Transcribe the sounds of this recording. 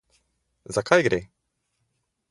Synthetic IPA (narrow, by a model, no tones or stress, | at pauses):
zakʰajɡɾe